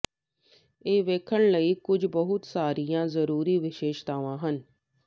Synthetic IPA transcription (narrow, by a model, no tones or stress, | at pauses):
eːʋeːkʰəɳləiːkʊd͡ʒbəɦʊt̪saːɾijãːzəɾuːɾiːʋɪʃeːʃt̪aːʋãːɦən